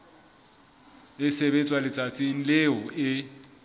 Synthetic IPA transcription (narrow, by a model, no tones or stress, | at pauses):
ɪsɛbɛt͡sʼwalɪt͡sʼat͡sʼiŋ̩lɪɔɪ